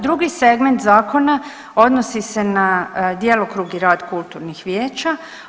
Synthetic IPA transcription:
d̪ɾuɡiseɡment̪zaːko̞na | o̞d̪nosise̞nad̪jelokɾuɡiɾaːd̪kult̪uːɾnixʋjeːt͡ʃa

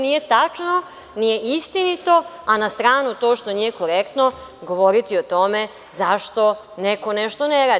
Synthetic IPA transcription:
nijet̪at͡ʃno | nijeʔist̪init̪o̞anast̪ɾaːnut̪o̞ːʃt̪o̞nijekoɾekt̪noɡoʋoɾit̪iot̪o̞me | zaʃt̪o̞ | nekoneʃt̪oneɾaː

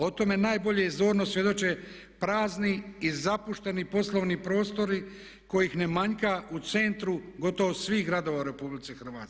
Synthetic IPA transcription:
o̞t̪o̞me̞naːjbo̞ʎe̞izd̪oːɾnosʋje̞d̪o̞t͡ʃe | pɾaːzniizapuʃt̪enipo̞slˠoʋnipɾo̞ːst̪o̞ɾi | ko̞jixne̞maɲkaʔut̪se̞nt̪ɾuɡo̞t̪o̞ʋosʋiːxɡɾad̪o̞ːʋaɾe̞publit̪exr̩ʋaːt̪

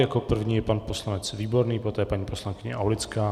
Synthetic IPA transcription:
jako̞pr̩vɲiːjɛpanpo̞slanɛt͡sviːbo̞ɾniːpo̞t̪ɛːpaɲiːpo̞slaŋkɪɲɛ̰ʔawlɪt͡skaː

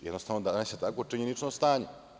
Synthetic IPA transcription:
jɛ̰d̪nost̪aʋnod̪anaset̪akot͡ʂiɲenit͡ʂnost̪aːɲe

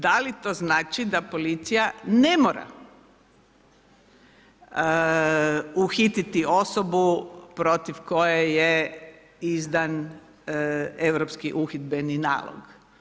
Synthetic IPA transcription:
d̪alit̪o̞znaːt͡ʃid̪apo̞lit̪sijanemoːɾa̰ | uxit̪it̪io̞sobupɾo̞t̪iʋko̞jeje | izd̪an | eʋɾopskiʔuxid̪benina̰ːlo̰ɡ

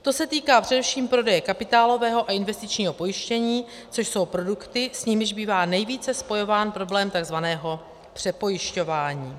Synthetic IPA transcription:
t̪o̞sɛt̪iːkaːpr̝̥ɛdɛfʃiːmpɾo̞dɛjɛkapɪt̪aːlo̞vɛːɦo̞ʔaɪnvɛst̪ɪt͡ʃɲiːɦo̞po̞jɪʃcɛɲiː | t͡so̞ʃso̞wpɾo̞dukt̪ɪsɲimʒbiːvaːnɛjviːt͡sɛspo̞jo̞vaːnpɾo̞blɛːmt̪aɡzvanɛːɦo̞ | pr̝̥ɛpo̞jɪʃco̞vaːɲiː

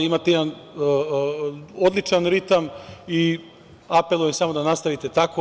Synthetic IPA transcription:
imaːt̪ejɛd̪anː | od̪lˠit͡ʂanɾit̪ami | apelˠujemsamo̞d̪anast̪aʋit̪e̞t̪ako

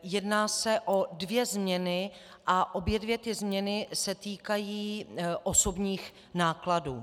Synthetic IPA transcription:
jɛdnaːsɛʔo̞dvjɛzmɲɛnɪ | ʔaʔo̞bjɛdvjɛt̪ɪzmɲɛnɪsɛt̪iːkajiːʔo̞so̞bɲiːx | naːkladuː

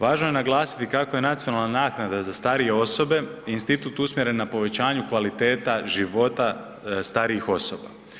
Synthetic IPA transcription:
ʋaːʒnoje̞naɡlˠaːsi̥t̪ikako̞je̞nat̪sijo̞nalˠnanaːknad̪azast̪aɾije̞o̞so̞be̞inst̪it̪uːt̪usmje̞ɾe̞nːapo̞ʋe̞t͡ɕaːɲukʋalit̪e̞ːt̪aʒiʋo̞t̪a | st̪aɾiixo̞so̞ba̰

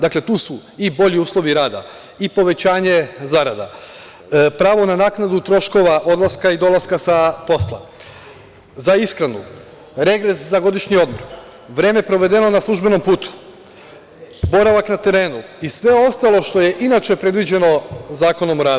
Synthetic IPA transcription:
d̪akle̞t̪uːsuibo̞ʎiuːslˠo̞ʋiɾaːd̪a̰ | ipo̞ʋe̞t͡ɕaːɲe̞zaɾad̪a̰ | pɾaːʋo̞nanaːknad̪ut̪ɾo̞ʃko̞ʋaʔo̞d̪lˠaskaid̪o̞lˠaskasapo̞slˠa̰ | zaiskɾanṵ | ɾe̞ɡɾe̞szaɡo̞d̪iʃɲio̞d̪moɾ | ʋɾe̞ːme̞pɾo̞ʋe̞d̪e̞no̞naslˠuʒbe̞no̞mpuːt̪u̥ | bo̞ɾaʋaknat̪e̞ɾe̞ːnu | isʋe̞o̞st̪alˠo̞ʃt̪o̞je̞ʔinat͡ʃe̞pɾe̞d̪ʋid͡ʑe̞no̞zaːko̞no̞mɾaː

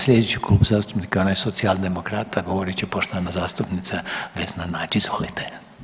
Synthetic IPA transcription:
slʲed̪et͡ʃikluːbzaːst̪u̥pnikaonajsot̪siald̪emokɾaːt̪aɡoʋoɾit͡ʃɛpoʃt̪oanazaːst̪upnit̪saʋeznanaːd͡ʒizolit̪e

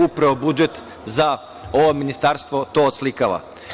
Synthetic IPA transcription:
upɾaʋobud͡ʒet̪ | za | oʋominist̪aːɾst̪ʋo̞t̪oːod̪slikaʋa̰

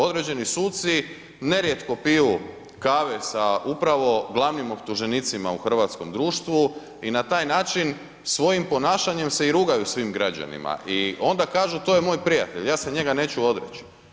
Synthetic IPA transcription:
o̞d̪ɾed͡ʑe̞nisuːt̪si | ne̞ɾje̞t̪ko̞piju | kaːʋesaupɾaʋo̞ɡlˠaʋnimo̞pt̪uʒe̞nit̪sima̰uxr̩ʋat̪sko̞md̪ɾuːʃt̪ʋu | inat̪aːjnaːt͡ʃin | sʋo̞jimpo̞naːʃaɲe̞mse̞iɾuːɡajusʋiːmɡɾad͡ʑa̰nḭma̰ʔio̞nd̪akaːʒut̪o̞jemo̞ːjpɾijat̪e̞ʎjaːse̞ɲe̞ɡane̞ːt͡ɕuo̞d̪ɾḛt͡ɕi̥

